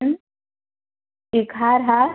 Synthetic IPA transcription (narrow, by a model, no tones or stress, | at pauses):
n | ikaɾɦa